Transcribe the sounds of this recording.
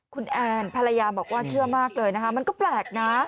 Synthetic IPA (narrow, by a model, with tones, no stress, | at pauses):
kʰu˧nʔɛː˧npʰa˧la˧jaː˧bɔː˨˩k̚waː˥˩t͡ɕʰɯ˥˩ɐmaː˥˩k̚lɤː˧jna˦˥kʰa˦˥ma˧nkɔː˥˩plɛː˨˩k̚na˦˥